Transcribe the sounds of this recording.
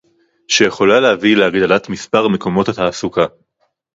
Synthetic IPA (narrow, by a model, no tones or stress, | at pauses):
ʃeje̞χo̞lalehavileaɡd̪alat̪mispaʁme̞ko̞mo̞tataːsuka